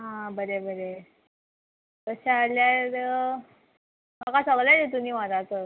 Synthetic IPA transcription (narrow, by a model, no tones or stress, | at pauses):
ɦãbəɾebəɾe | kəɕaːljaɾ | makasaɡladet̪umiːʋãd̪at͡sə